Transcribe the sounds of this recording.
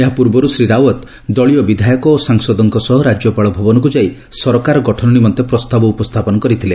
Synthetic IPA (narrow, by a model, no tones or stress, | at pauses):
eɦapuɾbɔɾusɾiɾawɔt̪ | d̪ɔɭiɔbid̪ʱajɔkɔːsaŋsɔd̪ɔŋkɔsɔɦɔɾad͡ʒjɔpaɭɔbʱɔbɔnɔk̬ud͡ʒai | sɔɾɔkaɾɔɡɔʈʰɔnɔnimɔnt̪epɾɔst̪abɔupɔst̪ʰapɔnɔkɔɾit̪ʰile